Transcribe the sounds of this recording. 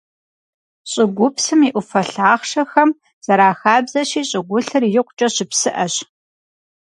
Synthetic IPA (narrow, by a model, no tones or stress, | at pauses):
ɕʼɪɡʷʊpsɨmiʔʷʊfɐɬaːχʂɐxɐm | z̥ɐɾaːxaːbzɐɕiːɕʼɪɡʷʊɬɨrjɪqʷt͡ʃʼɐɕɪpsɨʔɐɕ